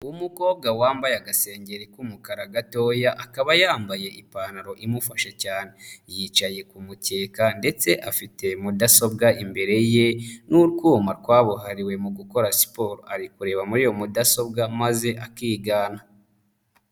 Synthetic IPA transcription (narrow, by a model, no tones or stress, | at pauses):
uwumuko̞ːbɡawaːmbajaɡase̞ːɲɟe̞ɾikumukaɾaɡato̞ːjaʔakaβajaːmbaje̞ʔipaːnaɾo̞ʔimufaʃacaːne̞jiːt͡ʃaje̞kumute̞ːkande̞t͡se̞ʔafite̞mudaso̞bɡaʔimbe̞ɾe̞je̞nuɾɡuːmaɾkwaːβuɦaɾiwe̞muɡuko̞ɾasi̥po̞ːɾaɾikuɾe̞ːβamuɾijo̞mudaso̞bɡamaze̞ʔakiːɡaːna